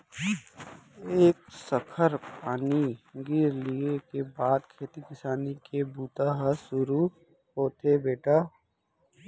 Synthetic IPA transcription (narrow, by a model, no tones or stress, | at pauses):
eːksəkʰəɾpaːniɡɪɾliekebaːd̪kʰeːt̪ikɪsaːnikebuːt̪aɦəsʊɾu | ɦoːt̪ʰebeːʈaː